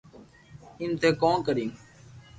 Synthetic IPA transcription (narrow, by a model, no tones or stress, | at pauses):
ĩːnt̪ʰeːkõːnkəɾĩːm